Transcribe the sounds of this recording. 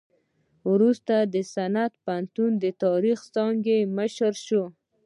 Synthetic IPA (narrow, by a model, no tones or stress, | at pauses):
wɾust̪ad̪əsanat̪pant̪und̪ət̪ɑɾixsɑŋɡeməʃəɾʃo